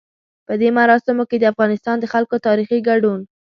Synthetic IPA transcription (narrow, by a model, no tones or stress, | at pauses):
pəd̪emaɾɑsɪmoked̪əafɣɑnɪst̪ɑnd̪əxalkot̪ɑɾixiɡaɖun